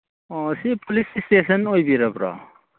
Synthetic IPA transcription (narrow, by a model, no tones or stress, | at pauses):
ɔsipʰɔlisistesənojbiɾabɾa̰